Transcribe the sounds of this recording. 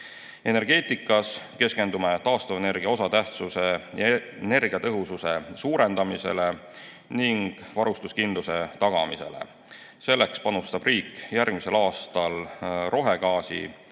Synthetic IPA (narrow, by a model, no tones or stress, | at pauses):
e̞ne̞rɡ̥e̞ːt̪ˑikːˑɑske̞ske̞nd̪umet̪ɑːst̪ɑvene̞rɡ̥iɑo̞sɑt̪æht̪suse̞jne̞rɡ̥iɑt̪ɤɦususe̞suːɾe̞nd̪ɑmise̞̰le̞ | niŋɡ̥vɑɾust̪uskind̪luse̞t̪ɑɡ̥ɑ̰mise̞̰lḛ | se̞lːe̞kspɑnust̪ɑb̥riːkːjærɡ̥mise̞lɑːst̪ɑlro̞ɦe̞ɡɑːsḭ